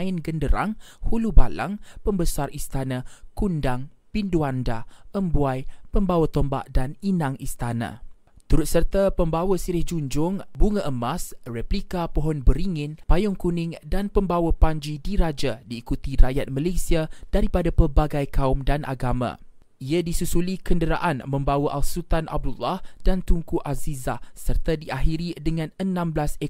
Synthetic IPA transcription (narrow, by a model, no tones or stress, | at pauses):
ɪnɡəndəɾa̰ŋhuluba̰la̰ŋpəmbəsarʔist̪anãkundaŋ | pinduandaʔəmbuajpəmbawat̪ɔmba̰ʔdaninãŋist̪anã̰ | t̪uɾʊt̪̚sərt̪apəmbawəsiɾɪhd͡ʒuɲd͡ʒʊŋbuŋəʔəmasrɛplikapɔɦɔnbəɾiŋɪnpajɔŋkunɪ̃ŋdanpəmbawəpaɲd͡ʒidiɾad͡ʒadiːkut̪iɾajat̪̚malasiad̥aɾipadapərbaɡajkaʊmdanʔa̰ɡamã̰ | iadisusulikəndəɾa̰ʔanmə̃mbawaʔalsult̪anʔa̰b̚dulːahd̥ant̪uŋkuʔazizasərt̪adiaɦiɾidəŋãnənãmblase